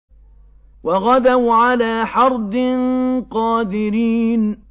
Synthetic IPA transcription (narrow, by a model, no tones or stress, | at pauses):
waɣad̪awʕalaːħɑɾˤd̪ɪnqɑːd̪ɪɾiːn